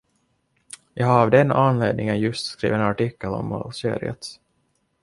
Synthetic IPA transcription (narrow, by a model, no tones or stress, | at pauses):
jɑːhaɾvd̪ɛnanleːd̪nɪŋənjɵst̪skɾḭːvenaʈɪkːəlɔ̰mːɔ̰lsḛːɾɪ̰ət̪s